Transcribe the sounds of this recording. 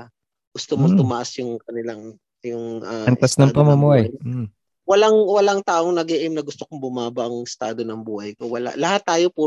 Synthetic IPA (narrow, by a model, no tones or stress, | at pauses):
ɡʊst̪omot̪ʊmɐʔasjʊŋkɐnɪlaŋ | jʊŋʔɐɐnasnɐmpɐmɐmuhaj̩ | wɐlaŋwɐlaŋt̪aːʔoŋnɐɡɛʔɪmnɐɡʊst̪okʊŋbʊmaːbɐʔɐŋɪst̪aːd̪o̞nɐŋbuːhɐjko̞wɐla̰ʔlɐhat̪ːaːjo̞puː